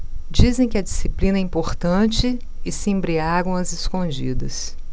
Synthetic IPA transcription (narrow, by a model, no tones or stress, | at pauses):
d͡ʒizẽj̃kɪɐd͡ʒisiplĩnɐɛĩmpoɾt̪ɐ̃t͡ʃɪː | sɪẽmbɾiaɡɐ̃w̃ɐzɪskõd͡ʒḭd̪ɐs